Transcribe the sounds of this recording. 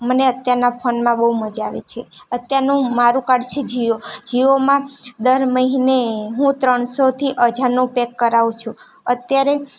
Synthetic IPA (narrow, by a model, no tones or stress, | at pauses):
məneət̪jaɾnapʰənmãɓəuməd͡ʒaʋet͡ʃʰe | ət̪jaɾnũmaɾũkaɽt͡ʃʰed͡ʒiod͡ʒiʋomãd̪əɾməɦineɦũt̪ɾəɳsot̪ʰiʔəd͡ʒaɾnũpekːəɾaʋũt͡ʃʰũ | ət̪jaɾe